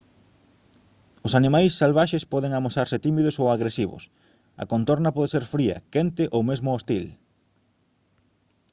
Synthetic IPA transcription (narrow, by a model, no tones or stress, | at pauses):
osanĩmajsːalβaʃespɔðeŋamosaɾsɪt̪imiðʊsowaɣɾesiβʊ̰s | ɐ̰kont̪oɾnɐpɔðeseɾfɾiɐ̰kent̪ɪʔowmezmʊost̪il